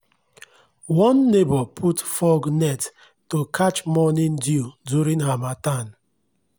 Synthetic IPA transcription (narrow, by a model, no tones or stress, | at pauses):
wɔnːebɔpʰutfɔɡnɛt | tokʰat͡ʃmɔnɪ̃ndiduɾĩnɦamatan